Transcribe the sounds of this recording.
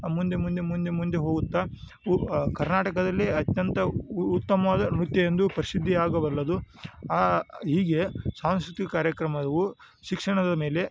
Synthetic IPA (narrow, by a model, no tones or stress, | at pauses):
mund̪e̞mund̪emund̪e̞mund̪eɦo̞ːɡut̪ːa | kɐɾnaːʈɐkɐd̪ɐlːiɐt̪jɐnt̪ɐut̪ːɐmɐʋaːd̪ɐnɾut̪jɐjend̪upɐɾisid̪ʱːiaːɡɐʋɐlːɐd̪uaːɦiːɡe̞saːw̃skɾut̪ikɐkaːɾjɐkɾɐmɐd̪ɐʋu | ʃikʂɐɳɐd̪ɐme̞ːle̞